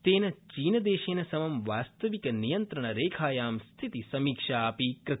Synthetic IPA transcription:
t̪eːnɐt͡ʃiːnɐd̪eːʃeːnɐsɐmɐmʋaːst̪ɐʋikɐnijɐnt̪ɾɐɳɐɾeːkʰaːjaːmst̪ʰit̪isɐmiːkʂaːpiːkɾɨt̪

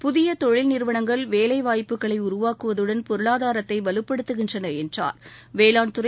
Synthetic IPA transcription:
pʊðɪjɐt̪ɔɻɪlnɪɾʋɐɳɐŋɡɐɭʋeːlɐɪʋaːjpːɯɣɐɭɐɪʊɾʊʋaːkɯʋɐðɯɽɐnpɔɾɯɭaːðaːɾɐt̪ːɐɪʋɐlɯpːɐɽɯt̪ːɯɣɪndrɐnɐɛndra̰ːɾʋeːlaːnt̪ɯɾɐ

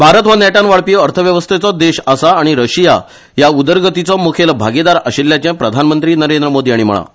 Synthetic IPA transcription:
bʱaɾət̪ʋanɛʈanʋaɭpiəɾt̪ʰəʋjəʋəst̪ʰet͡sɔd̪eɕasaːɽ̃iɾəɕija | jaud̪əɾɡət̪it͡sɔmukʰelbʱaɡed̪aɾəɕelːjat͡ɕɛ̃pɾəd̪ʱanmənt̪ɾiːnəɾend̪ɾəmod̪iːaɽim̤ə̰ɭa̰

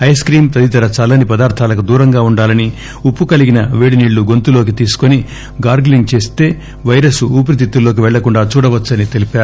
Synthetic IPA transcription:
ɐjskɾiːmt̪ɐd̪it̪ɐɾɐt͡ʃaːlɐnipɐd̪aːɾt̪ʰaːlɐkud̪uːɾɐŋɡaːuɳɖaːlɐni | upːukɐliɡinɐʋeːɽiniːɭːuɡo̞nt̪ulo̞ːk̬it̪iːsu̥koni | ɡaːɾɡliŋɡ̚t͡ʃe̞ːst̪e̞ː | ʋɐjɾɐsuuːp̬ɾit̪it̪ːulːo̞ːk̬iʋɛɭːɐkuɳɖaːt͡ʃuːɽɐʋɐt͡ʃːɐnit̪e̞lipaːɾu

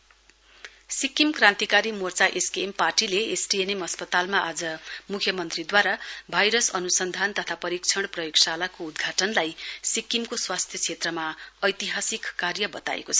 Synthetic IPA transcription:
sikimkrãnt̪ikaɾimort͡saʔeskiemparʈileesʈienemʌspʌt̪almaʔad͡zʌmukʰjʌmʌnt̪rid̪waɾabʱajɾʌsʌnusʌnd̪ʱant̪ʌt̪ʰapʌɾikt͡sʰʌɽ̃prʌjoksalakoud̪ɡʱaʈʌnlajsikːimkoswast̪ʰjʌt͡sʰet̪rʌmaʌjt̪iɦasikːarjʌbʌt̪a̰ḛkot͡sʰʌ̥

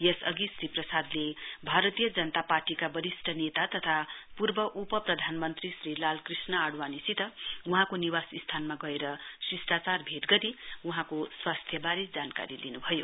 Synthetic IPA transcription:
jʌsʌɡisriprʌsad̪lebʱaɾʌt̪ijʌd͡zʌnʌt̪aparʈikabʌɾisʈʰʌnet̪at̪ʌt̪ʰapurbʌʔupʌprʌd̪ʱanmʌnt̪risrilalkrisnʌaɽwanisit̪ʌuɦãkoniwasist̪ʰanmaɡʌeɾʌsisʈat͡sarbʱeʈɡʌɾiuɦãkoswast̪ʰjʌbaɾid͡zanka̰ɾilinubʱʌjo

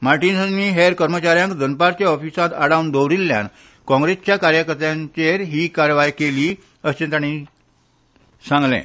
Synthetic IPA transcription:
maɾʈinsanːiːɦeɾkəɾmət͡ɕaɾjãŋkd͡zənpaɾt͡ɕeɔfisat̪aɽawnd̪owɾilːja̰n | kɔ̃ŋɡɾest͡ɕjakaɾjəkəɾt̪jãɲt͡ɕeɾɦiːkaɾjəʋajkeliː | əst͡ɕə̃nt̪añi | sãŋɡlɛ̰̃

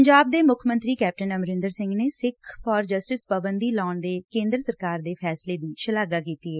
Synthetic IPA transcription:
əɲd͡ʒaːb̚d̪eːmʊkʰmənt̪ɾiːkɛːp̚ʈənəmɾɪ̃nd̪əɾsɪ̃ŋɡneːsɪkʰfʰɔːɾd͡ʒəsʈɪspəbənd̪iːlaːɳd̪eːkẽːnd̪ɾəsəɾkaːɾd̪eːpʰɛːsleːd̪iːʃəlaːɡaːkiːt̪iːɦɛː

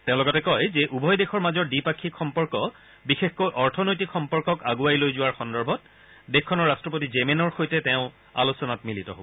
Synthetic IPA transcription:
tẽʊ̃lɔɡɔtɛkɔjzɛʔubʱɔjdexɔɹmazɔɹdipakʰːikxɔmpɔɹkɔ | bixexkojʔɔɹtʰɔnojtikxɔmpɔɹkɔkaɡuajlojzʊwaɹxɔndɔɹbʱɔt̚ | dexkʰːɔnɔɹːastɹɔp̬otizemenɔɹxojtɛtɛʊ̃ | a̰lusɔnatmilitɔ̰ɦobɔ

